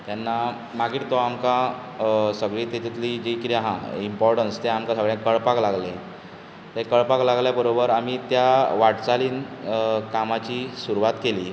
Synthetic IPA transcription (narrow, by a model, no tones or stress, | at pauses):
t̪janːa | maɡiʈt̪ɔamka | səɡɭiːt̪et̪it̪lid͡ʑekit̪aɦãimpɔɾʈənst̪eamkasəɡɭjãkəɭpaklaɡlẽ | t̪ekəɭpaklaɡljabəɾobəɾamit̪jaʋaʈt͡saliːnkamat͡ɕiːsuɾuʋat̪keliː